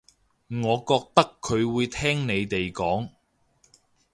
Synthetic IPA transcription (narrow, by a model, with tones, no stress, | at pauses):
ŋɔː˨˧kɔː˧k̚t̪ɐ˥kʰːɵ˨˧ɥwuː˨˧jt̪ʰɛː˥ŋne˨˧jt̪e˨jkɔː˨˥ŋ